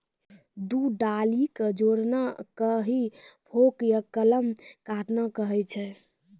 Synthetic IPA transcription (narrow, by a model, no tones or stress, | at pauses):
d̪uɖalikəd͡ʒoɾnakəɦibʰʱokjəkːələmkaʈnakəɦɛt͡ʃʰɛ